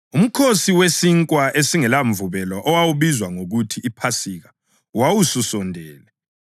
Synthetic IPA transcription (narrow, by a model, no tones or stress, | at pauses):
um̩kʰosiwesiŋkʼwaesiŋɛlaɱvuβɛlɔʔɔwawuβizwaŋoɣutʰiːpʰasiɣa | wawususɔndʱɛːlɛ